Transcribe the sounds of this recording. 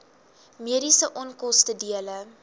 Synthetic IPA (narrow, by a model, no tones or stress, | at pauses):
miəɾisəʔɔnkɔstədiələ